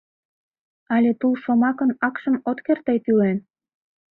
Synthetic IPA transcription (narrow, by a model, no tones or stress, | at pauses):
ɑlʲet̪ulʃomɑkənɑkʃə̆mot̪kert̪ejp̪ylen